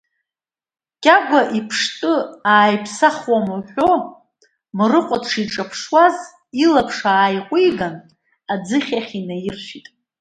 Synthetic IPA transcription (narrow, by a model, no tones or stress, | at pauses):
kʲʼaɡʷaʔipʰʂtʼɨaːjpʰsaχwamuħʷᶣo | mrɨqʷʼatʰʂiʈ͡ʂʼapʰʂwaz | ilapʰʂaːjqʷʼiɡan | ad͡zɨχʲaχʲinajɪrʃʷᶣitʼ